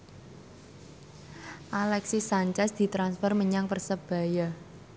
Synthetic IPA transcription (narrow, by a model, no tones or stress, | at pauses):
ʔalɛksisaɲt͡ʃɛsd̪̥i̤t̪ɾansfərməɲaŋpərsəb̥a̤ja